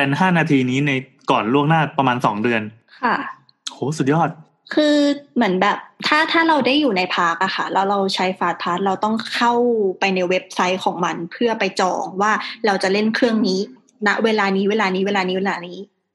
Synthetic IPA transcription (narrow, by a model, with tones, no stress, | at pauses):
pɛ˧nɦaː˥˩naː˧t̪ʰiː˧niː˦˥na˧jkɔː˨˩nɾu˥˩əŋnaː˥˩pɾa˧maː˧nsɔ̰ː˩˦ŋdɯ˧ən | kʰa˥˩ | ʔoː˨˦su˨˩jɔː˥˩t̪̚ | kʰɯː˧mɯ˩˦ənbɛː˨˩p̚t̪ʰaː˥˩t̪ʰaː˥˩ɾa˧wda˥˩jːuː˨˩na˧jpʰaː˦˥k̚ʔa˨˩xʰa˥˩lɛː˦˥wɾa˧wt͡ɕʰa˦˥jfaː˦˥t̪̚pʰaː˦˥t̪̚ɾa˧wt̪ɔ˥˩ŋkʰa˥˩wpa˧jna˧jwe˦˥p̚sa˦˥jkʰɔː˩˦ŋma˧npʰɯ˥˩ɐpa˧jt͡ɕɔ̰ː˨˩ŋwaː˥˩ɾa˧wt͡ɕa˨˩le˥˩nkʰɾɯ˥˩əŋniː˦˥ | na˦˥ʔweː˧laː˧niː˦˥weː˧laː˧niː˦˥weː˧laː˧niː˦˥weː˧laː˧niː˦˥